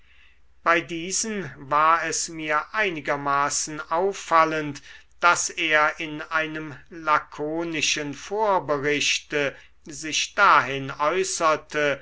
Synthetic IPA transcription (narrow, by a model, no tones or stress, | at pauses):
b̥aɪdiːzənvaːɐɛsmiːɐʔaɪnɪɡɐmaːsn̩ʔaʊfːalənt | d̥aseːɐɪnaɪnəmlakʰoːnɪʃənfoːɐbəʁɪʃtə | zɪʃd̥aːɦɪnɔʏsɐtʰə